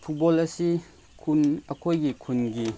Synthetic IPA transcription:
pʰut̚bɔlɐsi | kʰunɐkʰojɡikʰunɡi

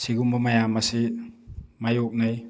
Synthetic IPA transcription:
siɡumbɐmɐjamɐsi | majok̚naj

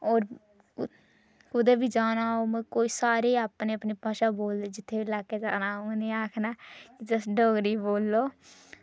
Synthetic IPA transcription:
oːɾ | kʊd̪eːbiːd͡ʒaːnaːoːmɛ̃ːkoːiːsaːɾeːaːpneːəpniːpaːʃaːboːld̪eːd͡ʒɪt̪ʰːeːʋilaːkeːd͡ʒaːnaːõneːaːkʰnaːkɪd͡ʒəsɖoːɡɾiːboːlːoː

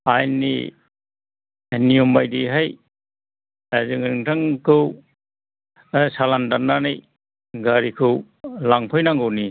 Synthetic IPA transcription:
ajnḭ | nijɔmbajdiɦaj | azɯŋiŋtʰaŋkʰɯw | salandanːanɯj | ɡaɾikʰɯw | laŋpʰɔjnaŋɡɯwni

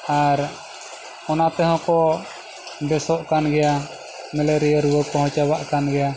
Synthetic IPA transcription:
aɾ | ɔnat̪ɛɦɔ̃kɔ | bɛsɔʔkanɡɛja | mɛlɛɾijaɾuwəkɔhɔ̃t͡ʃawaʔkanɡɛja

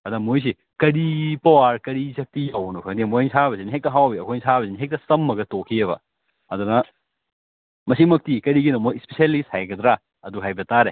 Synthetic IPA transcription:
ɐdɐmojs̬i | kɐɾipawaɾkɐɾisɐk̚tijawnɐkʰɐŋdimojnsabɐsiniɦek̚tɐɦawbiɐkʰojnsʰabɐsiniɦek̚tɐsɐmːɐɡɐtokʰiɐβɐ̰ | ɐdunɐ | mɐsimɐk̚tikɐɾiɡinɐmojspesialishajɡɐdɾa | ɐduɦajbɐtaɾe

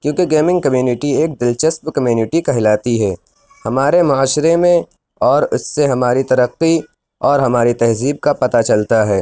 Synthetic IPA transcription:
kjõːkeɡeːmɪ̃ŋɡ̚kɐmjuːnɪʈieːk̚d̪ɪlt͡ʃəsbkɐmjuːnɪʈikɐɦɪlaːt̪iɦɛː | hɐmaːɾemʊaːʃɾemẽ | ɔːɾʊsːeɦɐmaːɾit̪ɐɾəqːi | ɔːɾɦɐmaːɾit̪ɛɦziːb̚kapɐt̪at͡ʃɐlt̪aɦɛː

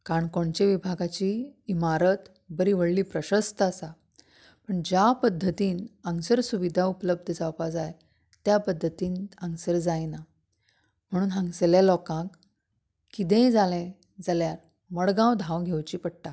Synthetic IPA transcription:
kaɾəɳkoɳt͡ɕeʋibʱaɡat͡ɕiːmaɾət̪ | bəɾiːʋəɭliːpɾəɕəst̪əəsa | pəɳd͡ʑjapəd̪ʱːət̪iːnəŋsəɾsuʋid̪ʱaupələb̚d̪ʱəd͡zawpad͡zaj | t̪japəd̪ʱːət̪iːnə̃ŋsəɾd͡zajna | m̤əɽ̃uːnɦãŋɡseljalɔkãk | kːid̪ɛ̃d͡zalɛ̃ | d͡zaljaɾ | məɽɡãwd̪ʱãwɡʱewt͡ɕiːpəɽ̚ʈa

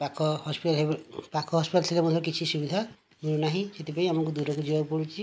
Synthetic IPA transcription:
pakʰɔhɔspiʈalɦepakʰɔɦɔspiʈalsʰilemɔd̪ʰʱɾɔkit͡ʃʰisubid̪ʱa | muɭunaɦĩset̪ipaĩamɔŋkud̪uɾɔkud͡ʒibabpɔɽit͡ʃʰi

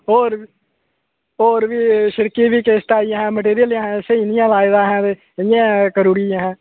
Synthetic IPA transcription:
oːɾ | oːɾʋiːʃɪɾkiːʋiːkeːst̪aːɪjãːɦɛ̃ːməʈ̬eːɾɪjəljãːɦɛ̃ːsəiːnɪjãːlaːɪd̪ãːɦɛ̃ːt̪eː | ɪɪjãːkəɾuːɾɪãːɦɛ̃ː

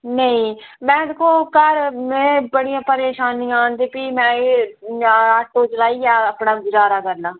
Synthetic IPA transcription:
nəĩː | mɛ̃ːd̪eːkʰoːkəɾmɛ̃ːbəɽijãːpəɾeːʃaːnijãːnd̪eːpiːmɛ̃ː | aːʈːoːt͡ʃəlaːiːaːəːpnaːɡʊzaːɾaːkəɾnaː

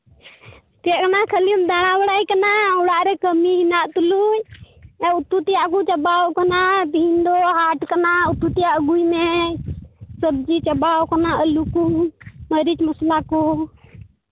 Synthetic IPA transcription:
t̪ekənakʰəlimd̪aɽ̃abəɽajkənauɽaɾekəmiɦinat̪uluj | aut̪ːut̪ijaəɡut͡ʃəbawkənabʱind̪oɦaʈʰkənaut̪ːut̪ijaəɡuime | səb̚d͡ʒit͡ʃəbawkənaəlukuməɾit͡ʃməslako

